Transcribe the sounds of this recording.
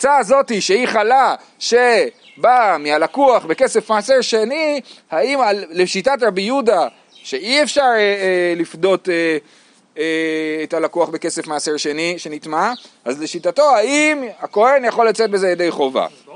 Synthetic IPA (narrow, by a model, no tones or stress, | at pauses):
t͡saːzo̞tiʃe̞iχala | ʃe | bamialakuaχbe̞ke̞sefmaːseʁʃe̞nihaimalleʃitatʁabijuda | ʃe̞iefʃaʁeelifdo̞te | eːtalakuaχbe̞ke̞se̞fmaːaseʁʃe̞niʃe̞nitmaʔazle̞ʃitato̞haimako̞he̞njaχo̞lːat͡set̚bezejed̪ejχo̞va̰